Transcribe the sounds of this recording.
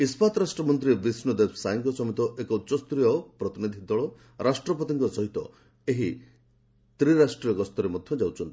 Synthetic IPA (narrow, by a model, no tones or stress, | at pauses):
ispʰat̪ɾasʈɾɔmɔnt̪ɾibisnud̪ebʰsajŋkɔsɔmit̪ɔʔekɔutːsɔst̪ɾijɔpɾɔt̪inid̪ʱid̪ɔɭɔ | ɾʔasʈɾɔpɔt̪iŋkɔsɔɦit̪ɔ̰ | eɦi | t̪ɾiɾasʈɾijɔɡɔst̪ɔɾemɔd̪ʱjɔd͡ʒawt͡ʃʰɔnt̪i̥